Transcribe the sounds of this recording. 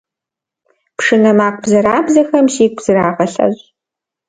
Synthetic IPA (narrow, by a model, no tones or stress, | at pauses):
pʂɨnɐmaːqʷʼbzɐɾaːbzɐxɐmʃiːkʷz̥ɨraːʁɐɬɐ̰ʑ